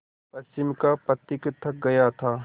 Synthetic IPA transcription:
pɐst͡ʃɪmkapɐt̪ːɪkɪt̪ʰːək̚ɡɐjat̪ʰaː

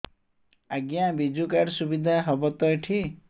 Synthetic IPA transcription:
aɡjãbid͡ʒukaɾsubid̪ʱaɦɔbɔt̪ɔjʈʰi

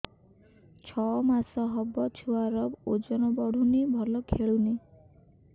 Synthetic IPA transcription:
t͡ʃʰɔmasɔɦɔbɔt͡ʃʰuaɾɔbod͡ʒɔnɔbɔɽ̤unibʱɔlɔkʰeɭuni

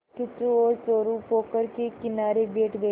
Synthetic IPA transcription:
kit̪uoɾt͡soɾũpokəɾkekinaɾebeʈɡe

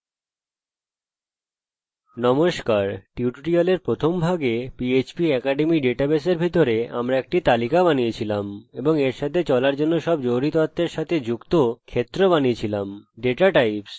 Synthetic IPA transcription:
nɔmoʃkaɾʈiuʈʈialeɾpɾot̪ʰombʱaɡepiet͡ɕbiɛkaɖemiɖeʈabeseɾbʱit̪oɾea̰mɾaek̚ʈit̪alikabanijet͡ɕʰilameboŋeɾʃat̪ʰet͡ɕɔlaɾd͡ʑonːoʃɔbd͡ʑoɾit̪ot̪ːeɾʃat̪ʰed͡ʑukt̪okʰet̪ːɾobaniet͡ɕʰilamɖeʈaʈajps

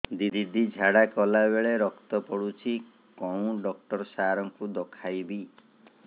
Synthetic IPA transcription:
d̪id̪ʱid̪id͡ʒʱaɽakɔlabeɭeɾɔkt̪ɔpɔɽut͡ʃʰi | kɔw̃ɖɔk̚ʈɔɾsaɾɔŋkud̪ɔkʰajbi

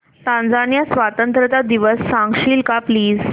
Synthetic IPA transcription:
t̪ãnd͡zanjasʋat̪ənt̪ɾət̪ad̪iʋəsːãŋɡɕiːlkapliːd͡z

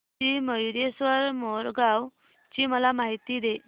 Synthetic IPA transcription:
iməjɾjesʋəɾmoɾɡaw | t͡ɕiːməlamaɦit̪iːd̪e

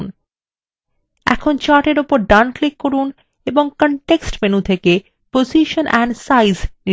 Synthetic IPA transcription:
n | ɛ̰kʰont͡ɕaʈeɾopoɾɖanklikːoɾun | eboŋkɔɳʈeksʈmenut̪ʰeke | poziʃonʔɛɳɖsajzni

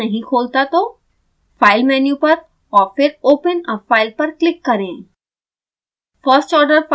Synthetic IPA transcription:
ɐɦĩkʰoːlt̪at̪o | faːɪlmɛːnjũpɐɾ | ɔːɾfɪɾoːpənəfʰːaːɪlpɐɾklɪkːɐɾẽː | fəɾsʈɔːɾɖəɾf

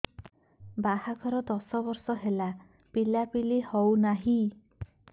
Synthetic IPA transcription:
bahaɡʱɔɾɔd̪ɔsɔbɔɾsɔɦela | pilapilihɔwnaɦi

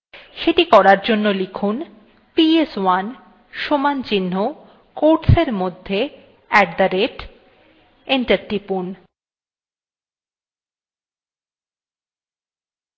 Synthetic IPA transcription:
ʃeʈikɔɾaɾd͡ʑonːolikʰun | pieswan | ʃomant͡ɕinːo | koɾʈseɾmod̪ʱːe | ɛk̚d̪aɾeʈ | eɳʈaɾʈipun

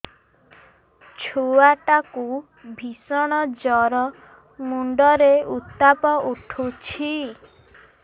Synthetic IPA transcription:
t͡ʃʰuwaʈaku | bʱisɔɽ̃ɔd͡ʒɔɾɔ | muɳɖɔɾeut̪ːapɔʔuʈʰut͡ʃʰi

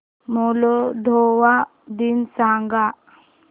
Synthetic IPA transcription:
mɔlɔd̪ʱɔwa | d̪insaŋɡa

